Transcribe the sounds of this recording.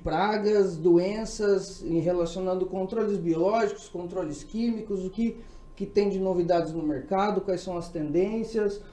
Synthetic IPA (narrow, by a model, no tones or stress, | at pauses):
pɾaɡɐzd̪oẽsɐz̃ɦelasionɐ̃nd̪ʊkõnt̪ɾolɪzbiolɔʒikʊ̥skõnt̪ɾolɪskĩmikʊzʊkɪ | kɪt̪ẽj̃d͡ʒɪnovid̪ad͡ʒɪznʊmeɾkad̪ʊkwajsɐ̃w̃ɐst̪ẽnd̪ẽsjɐs